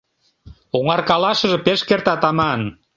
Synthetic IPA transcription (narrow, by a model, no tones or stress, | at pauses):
oŋɑrkɑlɑʃə̆ʒĕpeʃkert̪ɑt̪ɑmɑn